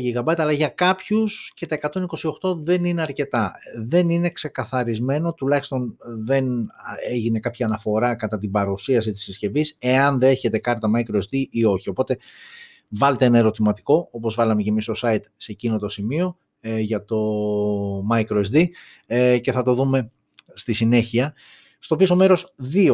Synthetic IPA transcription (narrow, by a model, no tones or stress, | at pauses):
ʝiɣɐbɐt̪ɐlɐʝɐkɐpçusce̞t̪ɐe̞kɐt̪o̞niko̞sio̞xt̪o̞ðe̞nine̞ɐɾce̞t̪ɐðe̞nine̞kse̞kɐθɐɾizme̞no̞t̪ulɐçi̥st̪o̞nðe̞neʝine̞kɐpçiɐnɐfo̞ɾɐkɐt̪ɐt̪̬ibɐɾusiɐs̬it̪isisce̞vise̞ɐnðeçe̞t̪e̞kɐɾt̪ɐmɐikɾoesd̪iʔio̞çio̞po̞t̪e̞ | vɐle̞t̪eenɐe̞ɾo̞t̪imɐt̪i̥ko̞o̞po̞zvɐlɐmece̞mist̪o̞sɐit̪secinot̪o̞simio̞ | ʝɐt̪o̞ | mɐikɾoesd̪i | ce̞θɐt̪o̞ðume̞ | st̪isine̞çiɐ | st̪o̞piso̞me̞ɾo̞sðio